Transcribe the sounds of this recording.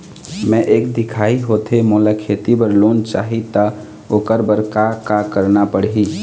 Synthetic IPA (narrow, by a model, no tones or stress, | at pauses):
mɛ̃ʔekd̪ikʰaiɦot̪emolakʰet̪ibəɾlont͡ʃa̰ɦit̪ə | okəɾbəɾkakakəɾnapəɽɦi